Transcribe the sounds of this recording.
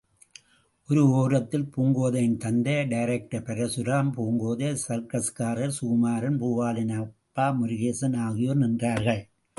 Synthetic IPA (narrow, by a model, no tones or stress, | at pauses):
ʔɔɾɯoːɾɐt̪ːɪlpuːŋɡoːðɐjɪnt̪ɐnd̪ɐɖɐɪɾɛk̚ʈɐpɛɾɐsʊɾaːmpuːŋɡoːðɐsɐɾkɐskaːɾɐɾsuːmaːɾɐnpuːʋaːlɪnɐpːaːmʊɾɪɣeːsɐnaːɣɪjoːnɛndraːɾɣɐɭ